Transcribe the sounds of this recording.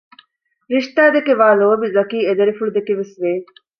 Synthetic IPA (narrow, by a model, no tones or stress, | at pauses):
ɾiʃt̪aːd̪ekeʋaːloːɐbiɾɐkiːed̪ɐɾifuɭud̪ekeʋesʋeː